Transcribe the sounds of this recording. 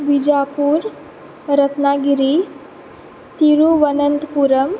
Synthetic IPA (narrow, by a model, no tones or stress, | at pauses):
ʋid͡ʑapuːɾ | ɾət̪naɡiɾi | t̪iɾuʋənənt̪puɾəm